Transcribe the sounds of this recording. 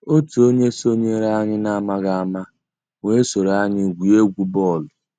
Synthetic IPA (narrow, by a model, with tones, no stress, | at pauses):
o˦tu˨o˦ɲe˦so˦ɲe˦ɾa˦ɲɪ˦na˦ma˦ɡa˦˨ma˦ | ŋʷe˦so˨ɾa˦ɲɪ˦ɡʷi˨e˦ɡʷu˨bɔ˦˨lʊ˨